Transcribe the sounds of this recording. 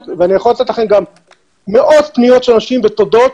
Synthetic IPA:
veanijaχolat̪et̪aχenɡam | meʔot̪pnijot̪ʃenaʃimbet̪od̪ot

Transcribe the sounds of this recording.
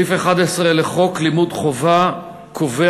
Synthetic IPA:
ifeχad̪esʁeleχo̞klimud̪χo̞va | kʰove

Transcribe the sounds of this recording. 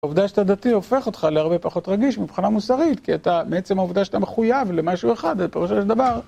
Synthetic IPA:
uvd̪aʃat̪ad̪at̪io̞fe̞χo̞t̪χaleaʁbe̞paχo̞t̪ʁaɡiʃmipχinamusaʁit̪kiat̪ameet͡se̞mhauvd̪aʃat̪ameχujavle̞maʃue̞χad̪alpeʁuʃaʃeld̪avaʁ

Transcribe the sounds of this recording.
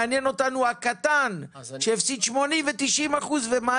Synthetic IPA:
anjeno̞t̪anuhakat̪an | ʃeːfsid̪ʃmo̞nimvet̪iʃʔimaχuzvema

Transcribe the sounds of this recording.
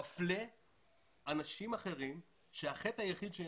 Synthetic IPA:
fle | anaʃimaχe̞ʁim | ʃeaχetajaχid̪ʃe

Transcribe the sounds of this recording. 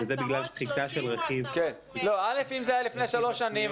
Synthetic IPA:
ezebiɡlalʃχit̪aʃelʁeχivken | lo̞ale̞fimzeajalifneʃalo̞ʃanim

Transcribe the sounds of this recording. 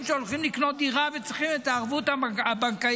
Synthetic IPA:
mʃeolχimliknot̪̚d̪iʁavet͡sʁiχimet̪aːʁvut̪aabaŋka

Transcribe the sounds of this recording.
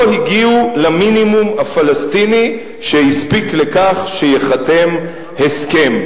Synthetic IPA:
ohiɡiulaminimumhafalastini | ʃehispikle̞kaχʃejeχate̞m | heske̞m

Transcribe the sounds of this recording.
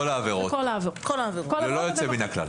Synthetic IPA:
olaːveʁokolaavekolavekollojot͡seminakla̰l

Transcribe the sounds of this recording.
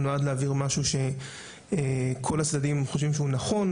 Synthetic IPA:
noad̪leaviʁmaʃuʃe̞ | ekʰo̞lat͡sdadimχoʃ̬vimʃeunaχo̞n

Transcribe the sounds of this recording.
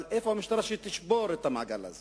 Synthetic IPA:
lʔefoamiʃt̪aɾaʃit̪iʃboɾet̪amaʕɡa̰la̰ze

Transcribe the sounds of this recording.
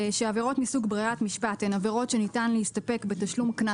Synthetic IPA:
ʃeaveʁo̞tmisuɡbʁiatmiʃpatenaveʁo̞tʃe̞nitanleistape̞kbe̞taʃlumkna

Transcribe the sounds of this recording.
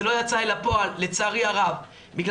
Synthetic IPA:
lo̞jat͡saelapo̞alːet͡saʁiaʁav | biɡl

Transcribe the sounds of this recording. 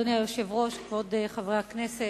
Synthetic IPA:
neajoʃevʁoʃkvod̪eχavʁeaknese

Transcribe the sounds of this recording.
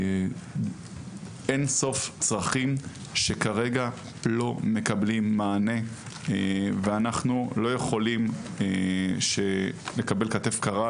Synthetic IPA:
e̞nso̞ft͡sʁaχim | ʃe̞kaʁe̞ɡa | lo̞me̞kablimːaːne̞ | veanaχnulo̞je̞χo̞limeʃe̞le̞kabe̞lkate̞fkaʁa

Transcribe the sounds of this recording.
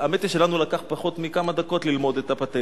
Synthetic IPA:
amet̪iʃe̞lanulakaχpaχo̞t̪mikamad̪ako̞t̪lilmo̞d̪et̪apat̪e

